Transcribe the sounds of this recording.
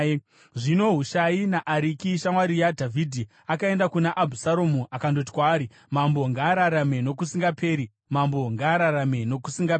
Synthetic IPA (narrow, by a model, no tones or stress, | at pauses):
ʐino̞ɦuʃainaʔaɾikiʃamwaɾijadʱavʱidʱi | akae̞ndakunaʔabʱusaɾomuʔakandot̬i̥kwaːɾi | mambo̞ŋɡaːɾaɾame̞no̞k̬usiŋɡape̞ːɾi | mambo̞ŋɡaːɾaɾame̞no̞kusiŋɡape